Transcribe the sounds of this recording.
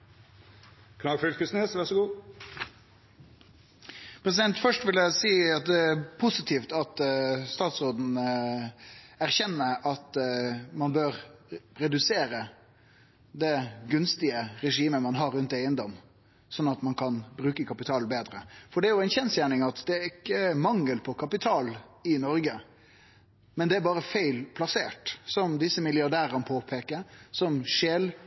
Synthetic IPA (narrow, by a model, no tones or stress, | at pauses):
kʰnɑːɡfʏlkʰʉsneːsʋæʁʂɔɡuː | pʰɾɛs̬ɪd̪ɛnt̪fœʂʈʋɪljæɪsiːɑt̪̚d̪ɛæpʰʊsɪt̪ʰiːft̪ɑt̪st̪ɑːt̪sʁoːd̪n̩ | æʁçɛnːəɑt̪mɑnbøːɾɾɛd̪ʉseːɾə | d̪ɛɡʉnst̪ɪəɾɛʂiːməmɑnɦɑɾːʉnt̪eɪənd̪ɔm | sɔnːɑt̪mɑnkʰɑnbɾʉːkəkʰɑpɪt̪ʰɑːlbeːd̪ɾəfɔɖɛæɾjʊæɪnçɛnsjæːɳɪŋɑt̪d̪ɛæɾɪkːəmɑŋːəlpʰɔkʰɑpɪt̪ʰɑːlɪnɔɾɡə | mɛnd̪ɛæɾbɑːɾəfeɪlpʰlɑseːʈsɔmd̪ɪsːəmɪlɪɑɾɖ̪æːɾənəpʰoːpʰeːkəɾsɔmʂeːl